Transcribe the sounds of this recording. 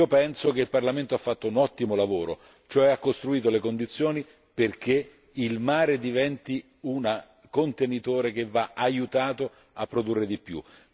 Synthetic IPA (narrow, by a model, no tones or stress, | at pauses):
opɛnsokeilparlament̪oafːat̪ːounɔt̪ːimolavoːɾo̰ | t͡ʃoɛakːost̪ɾuiːt̪olekond̪it̪sːjoːni | perk̟e | ilmaːɾed̪ivɛnt̪i | una | kont̪enit̪oːɾek̟evːaajut̪aːt̪o | apːɾod̪urːed̪ipːjṵ